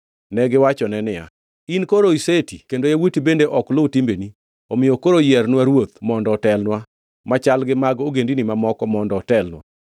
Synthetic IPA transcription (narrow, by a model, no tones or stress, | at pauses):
nɛɡɪwat͡ʃɔnɛnɪja̰ | inkoɾoisetikendojawutibendeʔɔkloutimbeni | omɪjɔkoɾojɛrnwaɾwot̪mɔndɔtɛlnwa | mat͡ʃalɡɪmaɡoɡendinimamɔkɔmɔndɔːtɛlnwa̰